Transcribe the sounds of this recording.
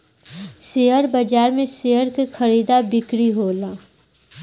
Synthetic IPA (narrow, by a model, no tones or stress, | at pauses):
seəɾbəd͡ʒaːɾmẽseɦəɾkexʰəɾiːd̪abɪkɾiɦoːlaː